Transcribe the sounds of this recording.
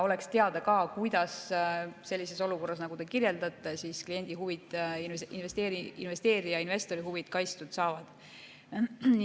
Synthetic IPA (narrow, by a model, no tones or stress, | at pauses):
o̞le̞kst̪e̞ɑd̪̥ɑkɑːkujd̪̥ɑsse̞lʲːise̞so̞luko̞rːɑs̬nɑɡ̥ud̪e̞kirje̞ld̪ɑt̪ːˑe̞siːsklije̞nʲd̪̥iɦuvid̪̥invest̪eːɾiḭnve̞st̪e̞ːɾijɑinve̞st̪o̞ɾiɦuvid̪̥kɑjst̪ud̪̥sɑːvɑd̪̥